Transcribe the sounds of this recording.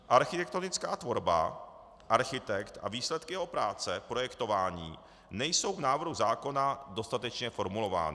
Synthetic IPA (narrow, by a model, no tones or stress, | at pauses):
ʔaɾxɪt̪ɛk̚t̪o̞nɪt͡skaːt̪vo̞ɾba̰ | ʔaɾxɪt̪ɛkt̪a̰viːslɛt̪kɪjɛɦo̞pɾaːt͡sɛpɾo̞jɛkt̪o̞vaːɲiː | nɛjso̞wvnaːvr̩ɦuzaːko̞nado̞st̪at̪ɛt͡ʃɲɛfo̞ɾmulo̞va̰ːnɪ